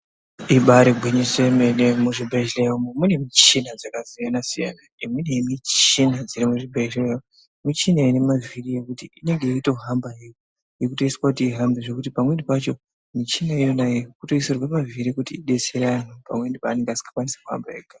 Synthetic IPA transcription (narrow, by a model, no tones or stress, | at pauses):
iɓaɾeɡʱwiɲisemenemuʐibʱeʃleomumune̞mit͡ʃinad͡zakazijanasija̰naimwinemit͡ʃinad͡ziɾimuʐibʱee | mit͡ʃinainemavirije̞kutiʔine̞ŋɡe̞ito̞ɦambajejo | jekuto̞iswakutiːɦambeʐekutipamwendipat͡ʃo̞ | mit͡ʃinaijonajekuto̞iserwamaviɾikutiːɗe̞t͡seɾanupa̰mwe̞ndipaːne̞ŋɡeasi̥kḁkwanisḁkuɦa̰mba̰eka